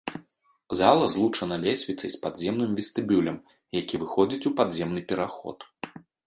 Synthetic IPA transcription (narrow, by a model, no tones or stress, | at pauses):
zalˠɐzlˠut͡ʂɐnɐlʲɛsʲvʲit̪sɐjspad̪zʲɛmnɨmvʲɛst̪ɨbʲulʲɐm | jakʲivɨxɔd͡zʲit͡sʲupad̪zʲɛmnɨpʲɛɾaxɔ̰t̪